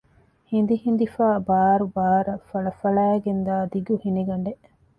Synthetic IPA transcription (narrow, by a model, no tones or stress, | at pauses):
hind̪ihind̪ifaːbaːɾubaːɾɐfɐɭɐfɐɭæːɡend̪aːd̪iɡuhiniɡɐɳɖe